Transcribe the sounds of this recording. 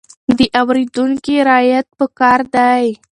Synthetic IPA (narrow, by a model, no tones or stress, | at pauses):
d̪əʔawɾid̪uŋkiɾɑjat̪̚pəkɑɾd̪aj